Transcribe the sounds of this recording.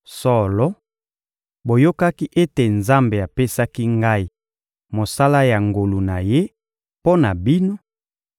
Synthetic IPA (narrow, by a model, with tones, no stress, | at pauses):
sɔ˦lɔ˦ | bo˨jo˦ka˦ki˦ʔe˦te˨nza˦mbe˨a˨pe˦sa˦ki˦ŋɡa˦i˦ | mo˨sa˦la˦ja˨ŋɡo˨lu˨na˨je˦ | po˦na˨bi˦no˦